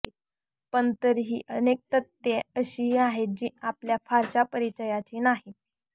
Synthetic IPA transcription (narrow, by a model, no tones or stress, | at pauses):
pəɳt̪əɾɦiːʔənek̚t̪ət̪ːjeəɕiːɦiaɦed͡ʑiːapljafaɾt͡ɕapəɾit͡ɕəjat͡ɕiːnaɦi